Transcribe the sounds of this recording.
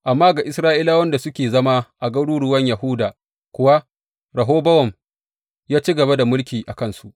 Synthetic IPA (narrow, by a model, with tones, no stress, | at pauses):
ʔa˨mːaː˦ɡa˨ʔɪ˦sɾaː˦ʔi˦laː˦wɐ˦nda˨sʊ˦kʲeː˨zɐ˦ma˦ʔa˨ɡɐ˦ɽuː˦ɽʊ˦wɐ˦ɲja˨ɦʊ˦daː˨ | kʷʊ˦wa˦ | ɾɐ˨ɦoː˦bɐ˦wɔ˨m | jaː˦t͡ʃi˦ɡɐ˨ba˦da˨mʊ˦lkʲiː˨ʔa˨kɐ˦nsu˦ʔ